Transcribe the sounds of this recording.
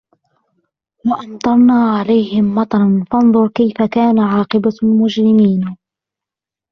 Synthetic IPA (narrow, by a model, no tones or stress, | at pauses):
wɑʔɑnt̪ˤɑɾˤnaːʕalajhɪmːɑt̪ˤɑɾˤɑnfɑnðˤʊɾkajfakaːnaʕɑːqɨbamʊd͡ʒɾɪmiːn